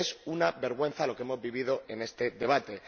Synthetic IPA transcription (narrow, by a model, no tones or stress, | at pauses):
sunabe̞ɾɣwe̞n̟θalo̞kee̞mo̞zβiβ̞iðo̞ʔe̞ne̞st̪e̞ðe̞β̞at̪e̞